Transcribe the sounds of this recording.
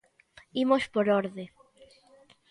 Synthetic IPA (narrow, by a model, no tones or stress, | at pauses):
imospoɾoɾðe